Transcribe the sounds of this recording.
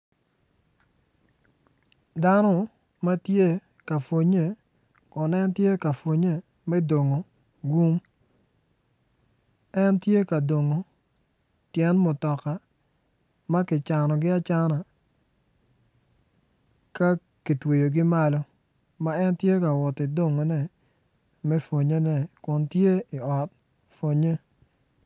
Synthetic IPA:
da˦nɔ˦˨ | ma˦tje˦ | ka˨fwo˨ɲe˦˨ | kɔ˨nɛ˦ntje˦ka˨fwo˨ɲe˦˨ | mɛ˦do˨ŋo˨ | ɡu˦m | ɛ˦ntje˦ka˨do˨ŋo˨ | tjɛ˦nmʊ˨tɔ˨ka˨ | ma˦kɪ˨t͡ʃa˨nɔ˨ɡɪ˦a˦t͡ʃa˦na˨ | ka˦ | ki˨twe˨jo˨ɡɪ˦ma˦lɔ˦ | ma˦ɛ˦ntje˦ka˨wɔ˨tɪ˨do˦˨ŋo˨nɛ˨ | mɛ˦fo˨ɲe˦nɛ˨kʊ˨ntje˦ɪ˨ɔ˨t̚ | fo˨ɲe˦

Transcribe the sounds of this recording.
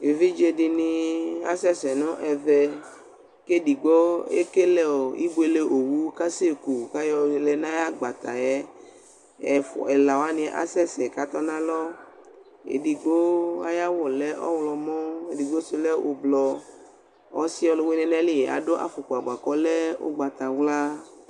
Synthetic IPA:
e˨vi˦d͡ʒe˨di˨nĩ˧a̰˨sɛ˦sɛ˨nʊ̃˦ʔɛ˨vɛ˨ | ke˦di˨ɡ͡bɔ˦ḛ˦ke˦lɛ˦ɔ˨i˦ɡ͡be˨le˦ʔo˨wu˦ka˦se˦˨ku˨ka˦jɔ˦˨lɛ˦nã˦ja˦ɡ͡ba˨t̪a˨ɛ˦ | ɛ˨fɔ̰˨ɛ˨la˨wo˨˦a˦nĩ˨˦ʔa̰˨sɛ˦sɛ˨ka˦t̪ɔ˦nã˦lɔ˦ | ḛ˨di˨ɡ͡bo˦a˦ja˦wɔ˨lɛ˦ʔɔ̰˦wlɔ˨mɔ̃˦e˨di˨ɡ͡bo˦so˨lɛ˦wʔo̰˨blɔ˨ | ɔ˦si˦ɔ˨˦lo˨we˦nɛ̃˨˦nɛ̃˦li˦jɛ˨ʔa̰˨ɖo˦ʔa̰˨fo˨ko˨a˨ɡ͡ba˨kɔ˦lɛ˦o̰˦ɡ͡ba˨t̪a˨wla˦

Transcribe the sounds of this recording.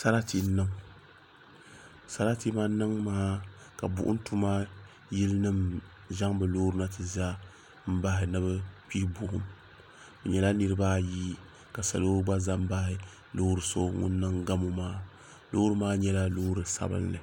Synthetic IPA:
sa˦ɾa˦ti˦nɨ˦m | sa˦ɾa˦ti˦ma˦nɨ˦ŋmaː˦ | ka̰˨bʊ̰˨ʔʊ̰˦n˦tu˦ma˦ | ji˦lɨ˦nɨ˦m | ʒa˦ŋbɨ˨loː˦ɾɨ˦na˦tɨ˨za˦ | m̩˦ba˦ɦɪ˨nɨ˦βɨ˦pi˦bʊ˨ʔʊ˦m | bɛ˨ɲɛ˨la˦nɨ˦ɾɨ˦baː˦ji˦ | ka˨sa̰˨lo˦ɾɨ˦ba˦za˦m̩˦ba˦hɪ˦ | lo˦ɾɨ˨so˦ŋʊ̰˦nː˦ɨ˦ŋɡa˦mo˦maː˦ | lo˦ɾɨ˦maː˦ɲɛ˦la˦loː˦ɾɨ˨sa̰˦bɨ̰˦nːɨ˨

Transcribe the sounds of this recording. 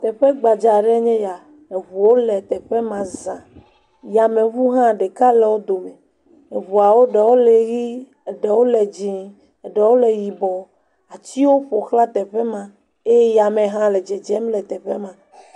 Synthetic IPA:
t̪ɛ˨ɸɛ˦ɡ͡ba˨d͡ʒa˨ɖɛ˦ɲɛ̃˦ja˨ | e˨βu˨wo˦lɛ˨t̪ɛ˨ɸɛ˦mã˨zã˨ | ja˨mẽ˨βu˦ɦã˦˨ɖe˨ka˦lɛ˨wo˦d̪o˨me˨ | e˨βu˨a˨wo˦ɖɛ˨wo˦le˨ɣi˦˨ | ɖɛ˨wo˦lɛ˨d͡ʒĩ˨ | e˨ɖɛ˨wo˦lɛ˨ji˨bɔ˨ | a˨t͡ɕi˦wo˦ɸo˨xla˦t̪ɛ˨ɸɛ˦mã˨ | e˦ja˨mẽ˨ɦã˦lɛ˨d͡ʒɛ˨d͡ʒɛ˦mlɛ˨t̪ɛ˨ɸɛ˦mã˨

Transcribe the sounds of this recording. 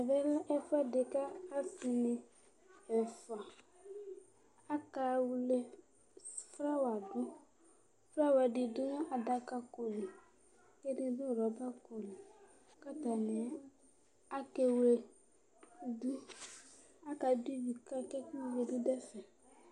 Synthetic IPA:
ɛ˨vɛ˦lɛ˦fa˦dɪ˨kaː˦sɪ˨nɪ˨ | ɛ˨fa˨ | a˦ka˨wle˦ | fɾa˦wa˨dʊ˦ | fɾa˦˨wa˨dɪ˨dʊ˦na˦ʔa˨da˨ka˦ko˨li˨ | ke˦dɪ˦bʊ˦˨ɾɔ˨˦ba˦ko˨li˨ | ka˦ta˨nɪ˨˦ | a˦ke˦we˨˦ | du˦ | a˦ka˨du˦bi˨ka˦kɛ˦ku˦˨we˨dɪ˦dɛ˦sɛ˨

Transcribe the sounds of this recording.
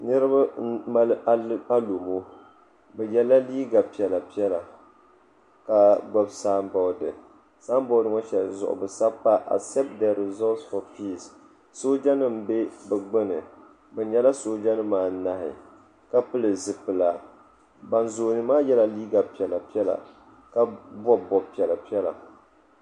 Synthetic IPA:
nɨ˦ɾɨ˦ba˦ma˦la˦a˦lo˨mo˦ | bɛ˨jɛ˦la˦liː˦ɡa˨pi˨ɛ˨la˨pi˦ɛ˦la˨ | ka˨ɡ͡bɔ˦bsaː˦mbɔ˨˦dɨ̰˨ | saː˦m˦bɔ˦ʊ˦dɨ˦ŋɔ˦ʃɛ˨lzʊ̰˨ʔʊ̰˨bɨ˨sa˦pːa˦ʔa̰˨sɛ˦p̚t̚dɛ˨ɾɪ˨zɔ˦lsfɔ˨pi˦s | so˦d͡ʒa˦nɨ˦m̩˨be˦bɨ˨ɡ͡bɨ˦nɨ˨ | bɛ˨ɲɛ˦la˦soː˦d͡ʒa˦nɨ˦maː˨˦na˦hɪ̰˨ | ka˦pɨ˦lɨ˨zɨ˨pɨ˨la˨ | ba˨nzoː˨nɨ˨maː˦jɛ˦la˦liː˦ɡa˨pi˨ɛ˨la˨pi˦ɛ˦la̰˨ | ka˦bɔ˦bɔ˨bpi˨ɛ˨la˨pi˦ɛ˦la̰˨

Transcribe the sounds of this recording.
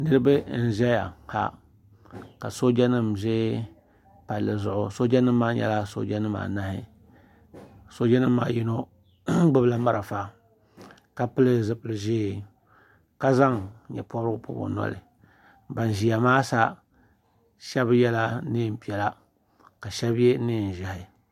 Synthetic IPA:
nɨ˦ɾɨ˦ba˦n̩˦ʒɛ˦ja̰˨ha̰˦ | ka˨so˦d͡ʒɛ˦nɨ˦mʒeː˦ | pa˨lːɨ˨zʊ˦ʔʊ˦so˦d͡ʒɛ˦nɨ˦mː˦aː˦ɲɛ̰˦la˦so̰˦d͡ʒɛ˦nɨ˦ma̰ː˨na˦hɪ˦ | so˦d͡ʒa˦nɨ˦mːa̰ː˨ji˦no˦ | ɡ͡bɨ˦bla˦ma˦ɾʔa˨fa˦ | ka˦pɨ˦lɨ˦zɨ˦pɨ˦lɨ˦ʒeː˦ | ka˦za˦ŋɲɛ̰˨pɔ˦bɾɨ˦ɡʊ̰˦pʊ̰˦bo̰˨nɔ̰˦lɪ̰˨ | ba˨n˨ʒi˨ja˨maː˦sa˦ | ʃɛ˦bɨ˦jɛ˦la˦neː˦˨m˨pi˨ɛ˨la˦ | ka˨ʃɛ˦bje˦ne˦˨n̩˨ʒa˨hɪ˨

